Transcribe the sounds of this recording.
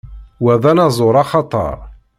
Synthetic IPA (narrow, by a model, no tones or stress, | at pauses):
wæðænɑzˤoɾˤɑχɑt̪ˤɑ̰ɾˤ